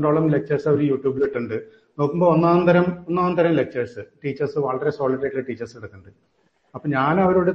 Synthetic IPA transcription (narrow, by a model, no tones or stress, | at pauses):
ɳɖoːɭɐmle̞k̚t͡ɕɐrsɐoɾujuːʈjuːbleʈːuɳɖɨ | no̞ːkːumbo̞ːonːaːnt̪ɐɾɐmonːaːunt̪ɐɾɐmle̞k̚t͡ɕɐrsɨʈiːt͡ɕːɐrsɨʋɐɭɐɾe̞so̞ːɭiʈːɐʈːileʈiːt͡ɕːɐrspiɽɐkːuɳɖɨ | ɐpːoːɲaːnɐʋɐɾoːɽe